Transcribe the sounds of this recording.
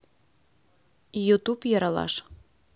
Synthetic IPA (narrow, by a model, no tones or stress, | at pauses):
jut̪upjɤɾɑlɑ̰ʃ